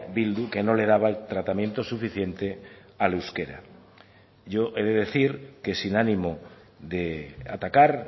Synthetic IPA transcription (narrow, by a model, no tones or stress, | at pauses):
bild̪uke̞no̞le̞ð̞aβaelt̪ɾat̪amjẽ̞nt̪o̞sufiθje̞nt̪e̞ | aluwskeɾa̰ | ʝo̞ʔeðe̞ðe̞θiɾke̞sinanĩmo | ðe̞a̰t̪akaɾ